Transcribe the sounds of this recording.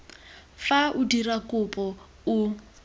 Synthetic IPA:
faʊdirakʼʊpʼɔ | u

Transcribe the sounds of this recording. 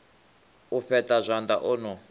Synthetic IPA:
uɸɛtʼazʷand̪aʔɔnɔ

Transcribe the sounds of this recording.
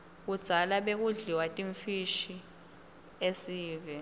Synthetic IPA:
k̬ud̥z̥ʱalaɓek̬uɮiwatʼiɱfiʃi | esiːvɛ

